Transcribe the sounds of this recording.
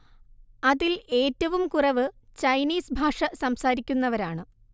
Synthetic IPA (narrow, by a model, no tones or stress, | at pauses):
ɐðile̞ːtːɐʋumkurɐʋɨt͡ɕɐjniːsbʱaːʂɐsɐmsaːɾikʲːunːɐʋɐɾaːɳɨ